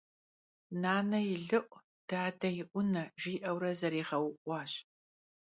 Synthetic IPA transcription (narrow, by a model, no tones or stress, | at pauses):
naːnɐjɪɮɨʔʷʼ | d̥aːdɐjɪʔʷʊnɐʒiːʔɐwɾɐzɐɾiːʁɐwʊʔʷɑːɕ